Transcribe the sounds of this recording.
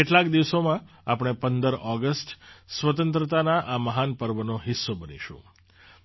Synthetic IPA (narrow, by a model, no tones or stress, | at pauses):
eʈlakd̪iʋsomã | apɽ̃epənd̪əɾɔɡəsʈsʋət̪ə̃nt̪ɾət̪anaʔaməɦanpəɾʋənoɦɪsːobənḭʃṵ̃